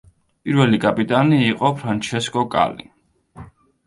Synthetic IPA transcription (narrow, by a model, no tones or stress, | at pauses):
pʼiɾvɛlikʼapʼit̪ʼaniːqʼɔpʰɾant͡ʃʰɛskʼɔkʼa̰li